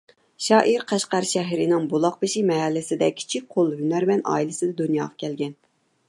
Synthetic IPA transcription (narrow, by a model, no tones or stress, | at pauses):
ʃɑːʔiɾqʰæʃqæɾʃɛɦɾɪnɪŋbulˠɑq̚pɨʃimɛɦælːɪsɪd̪ɛkʲʰi̥t͡ʃʰik̚ʲqʰolˠɦynæɾmɛnʔɑ̰ːilɨsɨd̪ɛd̪unjɑːʁɑkʲʰɛlɡʲɛn